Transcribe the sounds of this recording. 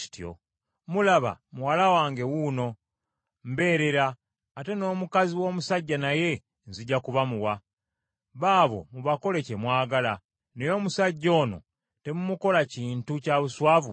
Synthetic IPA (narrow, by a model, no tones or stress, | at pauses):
i̥tjo̰ | mulaβa̰muwalawaːŋɡe̞wuno̞ | m̩be̞ːɾe̞ɾaː | te̞no̞ːmukaziwo̞ːmusaɟːanaje̞ | nziɟːakuβamuwa | βaːβo̞̰muβako̞le̞ce̞mwaːɡala | nejo̞ːmusaɟːo̞ːno̞̰ | te̞mumuko̞laciːntucaβuswaːvṵ